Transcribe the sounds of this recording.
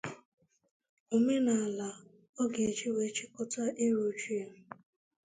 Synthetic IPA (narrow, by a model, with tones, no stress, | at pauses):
o˨me˦na˨a˨la˨ | ɔ˦ɡe˨e˨t͡ʃi˦we˨˦t͡ʃi˦kʊ˦ta˦ʔi˦ɾu˨t͡ʃi˦˨